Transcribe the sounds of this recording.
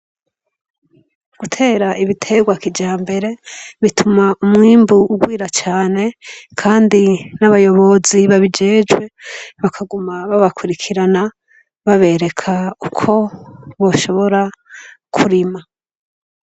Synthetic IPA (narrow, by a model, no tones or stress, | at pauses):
ɡ̥utʰe̞ːɾaʔiβitʰe̞ɡwakid͡ʒaːmbe̞ɾe̞βitʰumaumŋiːmbuːɡwiːɾat͡ʃaːne̞kʰaːndinaβajo̞βo̞ziβaβid͡ʒe̞ːd͡ʒɡwe̞βakʰaɡumaβaβakwuɾikʰiɾana | βaβe̞ɾe̞kʰaukʰo̞βo̞ːʃo̞βo̞ɾakʰuɾima